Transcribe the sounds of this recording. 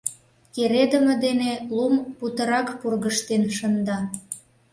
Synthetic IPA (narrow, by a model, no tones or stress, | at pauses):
keɾed̪əmə̆d̪enelumput̪əɾɑkpurɣəʃt̪enʃənd̪ɑ